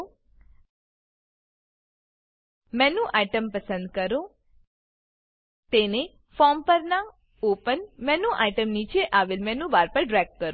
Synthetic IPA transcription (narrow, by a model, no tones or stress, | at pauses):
mɛnũʔaiʈəmpəsə̃nd̪kəɾõ | t̪ene | fɔɾmpəɾna | opənmɛnũʔajʈəmnit͡ʃeʔaʋelmɛ̃nũbaɾpəɾɖɾɛɡ̚kəɾõ